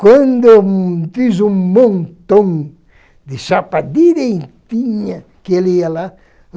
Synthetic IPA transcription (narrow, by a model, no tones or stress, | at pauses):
kwɐ̃nd̪ot̪izũŋmõnt̪õŋ | d̪ɪʃapad̪id̪ẽjt̪iɲɐ | keliala